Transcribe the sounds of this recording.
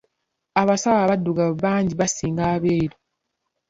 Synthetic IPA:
aβasawaβadːuɡaβaːɲɟiβasiːŋɡaːβeːɾo

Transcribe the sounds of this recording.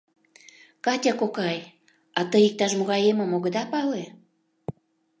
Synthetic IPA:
kɑtʲɑkokɑj | ɑt̪əik̚t̪ɑʃmoɣɑjemə̆moɣə̆d̪ɑpɑle

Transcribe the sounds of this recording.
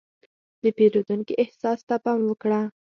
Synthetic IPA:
d̪əpeɾod̪uŋkiʔɪhsɑst̪apɑmwəkɽa

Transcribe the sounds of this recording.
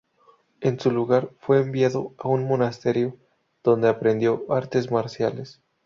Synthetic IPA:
e̞nsuluɣaɾfwe̞ːmbjaðoaunmo̞nast̪e̞ɾjo | ð̥o̞nd̪e̞apɾe̞nd̪jo̞aɾt̪e̞zmaɾsjale̞s

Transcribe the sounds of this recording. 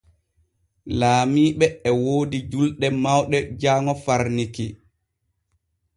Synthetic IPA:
laːmiːɓɛɛwoːdid͡ʒulɗɛmawɗɛd͡ʒaːŋɔfaɾniki

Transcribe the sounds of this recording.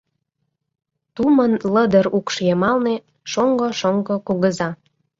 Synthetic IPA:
t̪umənləd̪əɾukʃjemɑlne | ʃoŋɡoʃoŋɡokoɣəzɑ

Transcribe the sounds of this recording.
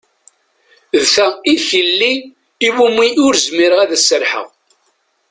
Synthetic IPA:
ðθæiθilːiː | wumːiʊɾzmiɾəʁæðæsːəɾħə̰ʁ

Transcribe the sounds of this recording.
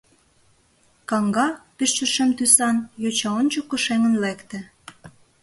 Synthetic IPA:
kɑŋɡɑpiʃt͡ʃə̆ʃemt̪ysɑnjot͡ɕɑont͡ɕokːŏʃeŋə̆nlekt̪ĕ

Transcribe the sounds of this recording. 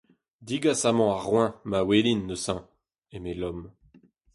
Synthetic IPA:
d̪iɡasamɑ̃aʁwɛ̃mawelinːəsɛ̃ | emelɔm

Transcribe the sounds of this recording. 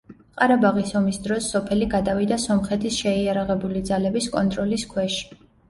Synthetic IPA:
qʼaɾabaʁisɔmisd̪ɾɔsːɔpʰɛliɡad̪avid̪asɔmχɛt̪ʰisʃɛiaɾaʁɛbulid̪zalɛbiskʼɔnt̪ʼɾɔliskʰwɛʃi̥

